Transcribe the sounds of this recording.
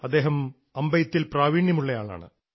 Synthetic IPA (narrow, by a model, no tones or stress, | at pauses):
ɐd̪ːe̞ːɦɐm | ɐmbɐjɐt̪ːilpraːʋiːɳjɐmuɭːɐjaːɭa̰ːɳɨ̰